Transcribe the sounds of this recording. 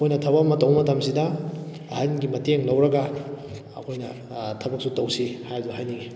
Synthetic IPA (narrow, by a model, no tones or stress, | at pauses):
kʰojnɐtʰɐβɐmɐtɐwmɐtɐmsidɐː | hanɡimɐteŋlɐwɾɐɡɐ | ɐ̰kʰojnɐ | tʰɐbɐk̚sutɐwsihajduhajniɡi